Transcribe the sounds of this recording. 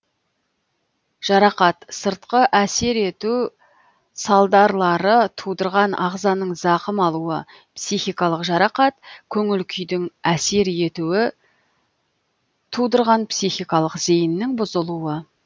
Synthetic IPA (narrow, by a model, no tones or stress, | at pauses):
ʒ̥ɑɾɑqɑt̪səɾt̪̚qəʔæse̞ɾe̞t̪u | sɑlˠd̪ɑɾlˠɑɾət̪ʰud̪əɾʁɑnʔɑʁzɑnəɴzɑqəmɑlˠuə | psijχijkɑlˠəqʒɑɾɑqɑt̪kʲʰɵŋɪlkʲʰʏjd̪ɪŋæse̞ɾe̞t̪uɪ | t̪ʰud̪əɾʁɑnpsiχijkɑlˠəqze̞jɪnːɪŋbʊzəlˠuə